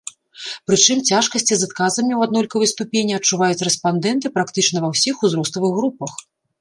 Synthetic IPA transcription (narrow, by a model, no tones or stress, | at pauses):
pɾɨt͡ʂɨmt͡sʲaʂkɐsʲt͡sʲizat̪̚kazɐmʲiwad̪nɔlʲkɐvɐjst̪upʲenʲːiɐt͡ʂuvajut͡sʲrɛspand̪ɛnt̪ɨpɾakt̪ɨt͡ʂnɐvɐwsʲixuzɾɔst̪ɐvɨɣːɾupɐx